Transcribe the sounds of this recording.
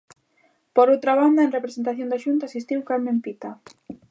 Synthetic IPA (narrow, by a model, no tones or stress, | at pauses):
poɾowt̪ɾaβand̪aẽnrepɾesent̪aθjõnd̪aʃunt̪aːsist̪iwkaɾmempit̪a